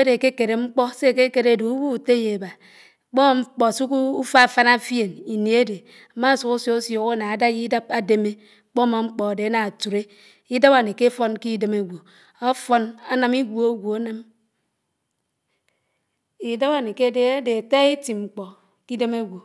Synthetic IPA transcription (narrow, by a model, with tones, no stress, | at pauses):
de˨ke˦ke˨ɾe˨ŋ͡m̩˦k͡pɔ˦se˦˨ke˦ke˨ɾe˦˨do˨u˦wu˦˨te˦je˨ba˨ | k͡po˦ma˨m̩˦k͡pɔ˨a˨su˦ku˦fa˦˨fa˦na˦fje˨ni˨ni˨e˦de˨ | a˨ma˦˨su˨ku˦sjo˦o˦sjo˨ɣa˦na˨a˨˦da˦ji˦da˦p̚a˦de˨me˦˨ | k͡po˦ma˨ŋ͡m̩˦k͡pɔ˨a˨de˨a˦na˨a˨tu˨ɾe˦ | i˦da˦ba˨ni˨ke˦fo˦nki˦de˨˦me˦ɡʷo˨ | a˦fo˦na˦na˨mi˦ɡo˦˨o˦ɡʷo˨a˦na˦m | i˨da˦ba˨ni˨ke˦de˦a˦de˨a˨ta˦e˦ti˨ŋ͡m̩˨k͡pɔ˨ | ki˦de˦me˦ɡʷo˨